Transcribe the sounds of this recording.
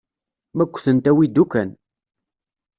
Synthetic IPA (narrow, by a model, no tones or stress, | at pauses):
mækʷːθənt̪æwid̪ːukæn